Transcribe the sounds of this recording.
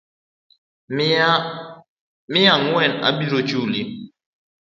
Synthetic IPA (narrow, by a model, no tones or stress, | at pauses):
mijaŋwɛna̰biɾot͡ʃuli